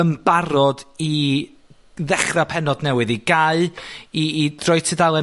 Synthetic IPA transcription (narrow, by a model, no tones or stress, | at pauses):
əmbaɾɔdi | ðɛχrapʰɛnɔdnɛwɨðiɡ̥aɨiːd̥rɔjtʰidalˠɛ